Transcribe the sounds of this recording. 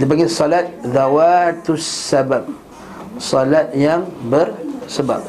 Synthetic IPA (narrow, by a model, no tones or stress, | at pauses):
dibaɡisɔlat̪̚ðawat̪usːabap̚ | sɔlat̪̚jaŋbərsəba̰p̚